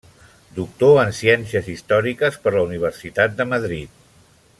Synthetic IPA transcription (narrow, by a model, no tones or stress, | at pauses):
d̪uk̚t̪oənsiɛnsiəzist̪ɔɾikəspəɾləuniβ̞ərsit̪at̪̚d̪əməðɾit̪̚